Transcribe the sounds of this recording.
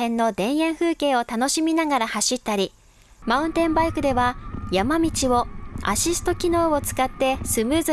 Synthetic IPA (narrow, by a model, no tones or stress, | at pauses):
ẽ̞nːo̞d̪ẽ̞ɰ̃ẽ̞ɰ̃ɸɯ̟ːke̞ːo̞t̪ano̞ɕimʲinaɡaɾahaɕit̪ːaɾʲi | maɯ̟̃nt̪ẽ̞mbaikɯ̟d̪e̞βajamamʲit͡ɕio̞a̰ɕisɨ̥t̪o̞kʲino̞ːot͡sɨ̥kat̪ːe̞sɨmɯ̟ːz